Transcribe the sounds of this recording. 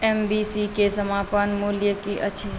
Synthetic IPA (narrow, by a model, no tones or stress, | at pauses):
ɛmbisikesəmaːpanmuljəkiʔə̰t͡ʃʰe